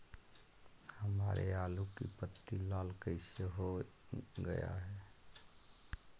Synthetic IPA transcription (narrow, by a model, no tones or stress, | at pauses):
həmaɾʔealukḭpət̪ːilaːlkəɪseɦo | ɡə̰ja̰ɦɛ